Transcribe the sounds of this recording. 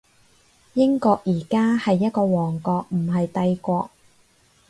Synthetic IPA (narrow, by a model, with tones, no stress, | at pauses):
jɪ˥ŋkɔː˧k̚jiː˨˩kaː˥hɐ˨jːɐ˥t̚kɔː˧wɔː˨˩ŋkɔː˧k̚m̩˨˩ɦɐ˨jt̪ɐ˧jkʷɔː˧k̚